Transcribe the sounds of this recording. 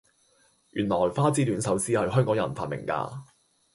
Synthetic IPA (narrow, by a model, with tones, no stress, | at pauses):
ʔyː˨˩nlɔː˨˩jfaː˥t͡siː˥lyː˨˥nsɐ˨˥wsiː˥hɐ˨jɦœː˥ŋkɔː˨˥ŋjɐ̰˨˩nfaː˨t̚mɪ̰˨˩ŋka̰ː˧